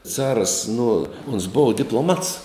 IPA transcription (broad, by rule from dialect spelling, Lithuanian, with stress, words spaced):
ˈt͡sɑːrɐs nʊ oːns ˈboːʋɐ dʲɪplˠoːˈmɐts